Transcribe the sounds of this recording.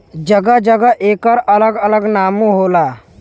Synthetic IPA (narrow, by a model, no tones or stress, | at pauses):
d͡ʒəɡad͡ʒəɡəʔeːkəɾələɡələɡnaːmuɦola